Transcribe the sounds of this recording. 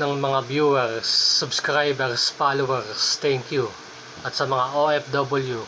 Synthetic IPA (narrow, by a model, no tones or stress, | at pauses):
nɐŋmɐŋabjuɛɾsːʊbskɾajbɛɾsfalowɛɹst̪ɛŋkju | ɐt̪sɐmɐŋaʔoʔɛfd̪obɐlju